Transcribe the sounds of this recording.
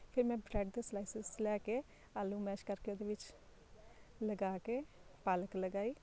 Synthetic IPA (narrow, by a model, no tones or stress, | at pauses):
pʰɪɾmɛ̃ːbɾɛːɖd̪eːslaːisɪslɛːkeː | aːlːũːmɛːʃkəɾkeoːd̪eːʋɪt͡ʃ | ləɡaːkeːpaːləkləɡaːiː